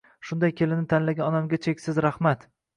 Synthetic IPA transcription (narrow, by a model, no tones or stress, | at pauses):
ʃʊnd̪ajkʲʰe̞lɪnɪt̪ʰanlaɡʲanɒnamɡʲat͡ʃʰe̞kʲsɪzɾahmat̪